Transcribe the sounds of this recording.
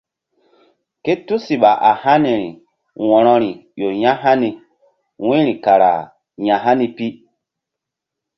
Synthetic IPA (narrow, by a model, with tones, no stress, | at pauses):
ke˦tu˦si˨ɓa˨ʔa˨ha˦ni˨ɾḭ˨ | wɔ̃˨ɾɔ˦ɾi˨jo˨ɲã˦ɦa˦ni˨ | wĩ˦ɾĩ˨ka˨ɾa̰˨ | ɲã˨ɦa˦ni˨pi˦